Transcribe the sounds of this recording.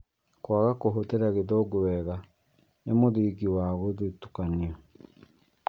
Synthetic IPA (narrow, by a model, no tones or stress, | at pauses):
kwaɣakoɦoteɾaɣeðɔɡoβɛɣa | nemoðiɡiwaːɣoðetu̥kaniɔ